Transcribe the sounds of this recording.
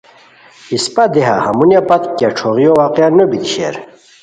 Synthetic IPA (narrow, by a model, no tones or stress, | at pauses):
ispad̪eɦa̰ha̰munjapat̪kʲaʈ͡ʂʰoʁijowaqjanobit̪iɕḛɾ